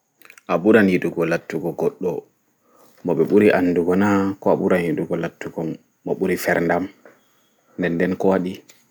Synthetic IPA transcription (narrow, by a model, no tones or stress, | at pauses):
ʔaɓuɾanjiduɡɔlatːuɡɔɡɔɗːɔ | mɔɓɛɓuɾiʔanːduɡɔnakɔaɓuɾanjiduɡɔlatːuɡɔː | ɔɓuɾifɛɾndam | ndɛnːdɛnkɔwaɗi